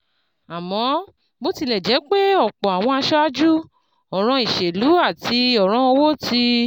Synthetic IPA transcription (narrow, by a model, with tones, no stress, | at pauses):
a˨mɔ̃˨˦ | bo˦ti˧lɛ˨d͡ʒɛ˨˦k͡pe˦ɔ˦˨k͡pɔ̃˨a˨w̃ɔ̃˧a˧ʃɔ˦a˦d͡ʒu˦ | ɔ˨ɾ̃ɔ̃˧i˨ʃe˨lu˨˦a˦˨ti˧ɔ˨ɾ̃ɔ̃˧˦o˧wo˦˨ti˧